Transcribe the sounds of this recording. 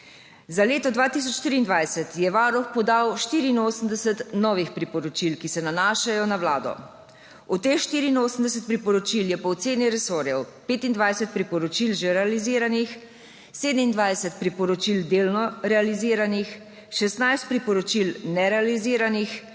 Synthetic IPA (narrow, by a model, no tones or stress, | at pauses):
zaleːt̪ɔd̪ʋaːt̪is̬ɔt͡ʃːt̪iɾiːnd̪ʋajsɛt̪jɛʋaːɾɔxpɔd̪awʃt̪iːɾiːnoːsəmd̪ɛsɛt̪nɔːʋixpɾipɔɾɔt͡ʃilkisɛnanaːʃajɔnaʋlaːd̪ɔ̰ | ɔt̪ːexʃt̪iːɾiːnoːsəmd̪ɛs̬ət̪̚pɾipɔɾɔt͡ʃiljɛpɔːt̪seːniɾɛsoːɾjɛwpeːt̪ind̪ʋajsɛt̪̚pɾipɔɾɔt͡ʃilʒɛɾɛaliziːɾanix | seːd̪əmind̪ʋajsɛt̪̚pɾipɔɾɔt͡ʃild̪eːlnɔɾɛaliziːɾanix | ʃɛst̪najst̪̚pɾipɔɾɔt͡ʃilnɛɾɛaliziːɾanix